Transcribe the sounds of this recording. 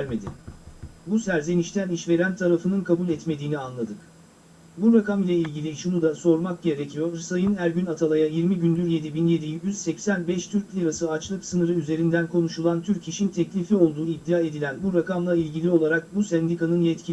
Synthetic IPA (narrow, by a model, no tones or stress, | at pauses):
ɾme̞d̪ɪ | busæɾzeniʃt̪ʰæniʃve̞ɾænt̪ʰaɾafɯnɯnkʰabulʲɛt̪me̞d̪iːnianlˠad̪ɯk | buɾakamilʲɛilʲɟilʲiʃunud̪aso̞ɾmak̚ɟe̞ɾecʰijo̞ɾsajɯnæɾɟynat̪ʰalˠajajiɾmiɟynd̪yɾje̞d̪ibinje̞d̪ijyz̥sɛcsænbɛʃt̪ʰyɾc̚ʲpʰlʲiɾasɯat͡ʃlˠɯksɯnɯɾɯyze̞ɾind̪ænkʰo̞nuʃulˠant̪ʰyɾciʃint̪ʰɛclʲifio̞lˠd̪uːid̪ːijaːe̞d̪ilʲænbuɾakamlˠailʲɟilʲio̞lˠaɾak̚busɛnd̪ikʰanɯnjɛt̪cʰi